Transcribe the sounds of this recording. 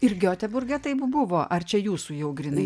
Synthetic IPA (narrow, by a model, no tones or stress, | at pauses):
ɪɾɡʲoːt̪ʲɛbʊɾʲɡʲɛt̪ɐɪpbʊʋoːʔɐrt͡ʃʲɛjuːsuːjɛʊɡɾʲɪnɐɪ